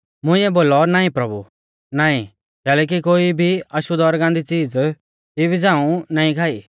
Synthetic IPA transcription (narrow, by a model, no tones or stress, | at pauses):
mʊ̃ɪ̃ɛboːlɔnaːĩpɾɐbṵ | naːĩ | kɛːlɛːk̬ikoːibʱiɐʃud̪ɔːɾɡãnd̪it͡siːd͡z | t̪ibʱid͡zãːũnaːĩkʰaːḭ